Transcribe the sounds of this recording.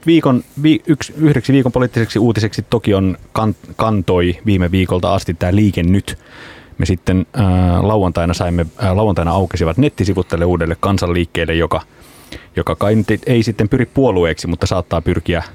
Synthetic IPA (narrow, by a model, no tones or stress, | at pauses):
ʋiːkonʋiːyksyhdeksiʋiːkompoliːˑt̪ːiseksiuːt̪iseksit̪okionkɑnkɑnt̪oiʋiːmeʋiːkolt̪ɑ̰ɑst̪it̪tæːliːkenːyt̪mesit̪ːenːlɑuwˑɑnt̪ɑinɑsɑimːelɑwːˑɑnt̪ɑinɑɑukisiʋɑt̪net̪ːisiʋut̪t̪ælːeuːdelːekkɑnsɑlːiːkːeːlːejokɑ | jokɑkɑinyt̪eisit̪ːempyrippuolueːksimut̪ːɑsɑːt̪ːɑːpyrkiæ